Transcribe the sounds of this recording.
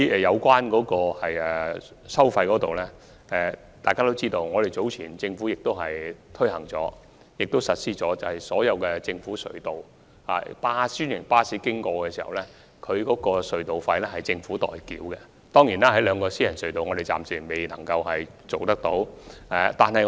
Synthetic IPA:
ɛ˨jɐ˨˧wkʷaː˥nkɔː˨˥kɔː˧hɐ˨jɛ˨˩ | sɐ˥wfɐ˧jkɔː˨˥t̪o˨wlɛː˥ | ɛː˧ | t̪aː˨jkaː˥t̪o˥wt͡siː˥t̪o˧wŋɔː˨˧ɾe˨jt͡so˨˧˥wt͡sʰiː˨˩nt͡sɪ˧ŋfuː˨˥jɪ˨k̚t̪o˥whɐ˨jt̪ʰɵ˥hɐ˨˩ŋt͡sɔ̰ː˨˥ | jɪ˨k̚t̪wsɐ˨t̚siː˥t͡sɔː˨˥t͡sɐ˨whɐ˨˩jsɔː˨˥jɐ˨˧wkɛː˧t͡sɪ˧ŋfuː˨˥sɵ̰˨ɥt̪o˨w | ha̰ː˨paː˥syː˥njɪ˨˩ŋpaː˥siː˨˥kɪ˥ŋkɔː˧kɛː˧siː˨˩hɐ̰˨wlɛː˥ | kʰɵ˨˧ɥkɔː˨˥kɔː˧sɵ˨˧ɥt̪o˨wfɐ˧jlɛː˥hɐ˨jt͡sɪ˧ŋfuː˨˥t̪ɔ̰ː˨˩jkḭː˨˥wkɛ˧ | t̪ɔː˥ŋjiː˨˩naː˦˥hɐ˨˥jlœː˨˧ŋkɔː˧siː˥jɐ˨˩nsɵ˨ɥt̪o˨wŋɔ˨˧ɾe˨jt͡sa̰ː˨msiː˨˩me˨˩jnɐ̰˨˩ŋkɐ˧whɐ˨j | t͡so˨wt̪ɐ˥k̚t̪o˨˥wɛ˧˩t̪aː˨nhɐ˨j

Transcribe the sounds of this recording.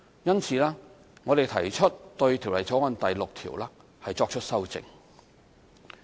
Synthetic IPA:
jɐ˥nt͡sʰiː˨˧laː˥ | ŋɔː˨˧ɾe˨jt̪ʰɐ̰˨˩jt͡ʃʰɵ˥t̚t̪ɵ˧ɥt̪ʰi˨˩wlɐ˨jt͡sɔː˨˥ŋɐ˨˧nt̪ɐ˨jlʊ˨k̚t̪ʰḭː˨˩wlaː˥ | hɐ˨jt͡sɔː˧k̚t͡ʃʰɵ˥t̚sɐ˥wt͡sɪ̰˨ŋ

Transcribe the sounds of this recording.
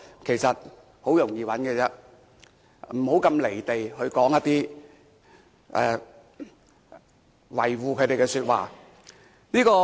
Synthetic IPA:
kʰe˨˩jsɐ˨t̚ | ho˨˥wjʊ˨˩ŋjiː˨˧wɐ˨˥nkɛː˧t͡sɛ˥ | m̩˨˩ho˨˥wkɐ˧mle˨˩jt̪e˨jhɵ˧ɥkɔː˨˥ŋjɐ˥t̪iː˥ | ʔɛː˧˩ | wɐ˨˩jwuː˨kʰɵ˨˧˥t̪e˨jkɛ˧syː˧t̚wa̰ː˨˩ | niː˥kɔː˧

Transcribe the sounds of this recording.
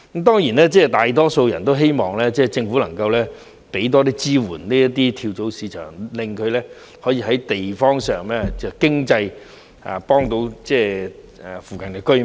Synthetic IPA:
t̪ɔː˥ŋjiː˨˩nɛː˥t͡sɛː˥˩t̪aː˨jt̪ɔː˥so˧wjɐ˨˩nt̪o˥wɦe˥jmɔː˨ŋlɛː˥t͡sɛː˥˩t͡sɪ˧ŋfu˨˥lɐ˨˩ŋkɐ˧wlɛː˥ | pe˨˥jt̪̬ɔː˥t̪iː˥t͡siː˥wṵː˨˩nniː˥jɐ˥t̪ːiː˥t̪ʰiː˧wt͡so˨˥wsiː˨˧˥t͡ʃʰœ̰ː˨˩ŋlɪ˨˧ŋkʰɵ˨˧ɥlɛː˥ | hɔː˨˥jiː˧ɦɐ˨˥jt̪e˨jfɔː˥ŋsœː˨ŋlɛː˥t͡sɛ˨˩kɪ˥ŋt͡sɐ˧j | a̰ː˨pɔː˥ŋt̪o˧˥wt͡sɛː˥˨˩ | fuː˨kɐ˨˩nkɛː˧kɵ˥

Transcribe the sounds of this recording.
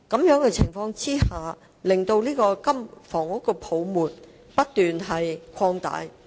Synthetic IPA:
kɐ˨˥mjœː˨˥ŋkɛː˧t͡sʰɪ˨˩ŋfɔː˧ŋt͡siː˥haː˨ | lɪ˨ŋt̪o˧wliː˥kɔː˧kɐ˥mfɔː˨˩ŋʊ˦˥kːɔː˧pʰo˨˧wmuː˨t̚ | pɐ˥t̚t̪yː˨nɦɐ˨jkʷʰɔː˧ŋt̪a̰ː˨˧˥j

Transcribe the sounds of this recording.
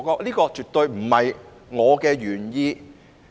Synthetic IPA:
kɔː˧k̚liː˥kɔː˧t͡ʃyː˨˩t̚t̪ːɵ˨˧ɥm̩˨˩hɐ˨j | ŋɔː˨˧kɛː˧ɥyː˨˩njiː˧

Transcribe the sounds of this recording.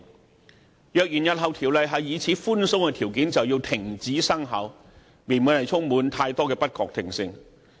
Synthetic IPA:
jœː˨k̚jyː˨˩njɐ˨t̚ɦɐ˨wt̪ʰiː˨˩wlɐ˨˧jɦɐ˨jːiː˨˧t͡sʰiː˨˥fuː˥nsʊ˥ŋkɛː˧t̪ʰiː˨˩wkiː˨˥nt͡sɐ˨wjiː˧wt̪ʰɪ˨˩ŋt͡siː˨˥sɐ˥ŋɦɐ̰˨˥w | mi˨˩nmuː˨˩nhɐ˨jt͡sʰʊ˥ŋmuː˨˥nt̪ʰaː˧jt̪ɔː˥kɛː˧pɐ˥t̚kɔː˨˧k̚t̪ʰɪ˨˩ŋsɪ˧ŋ

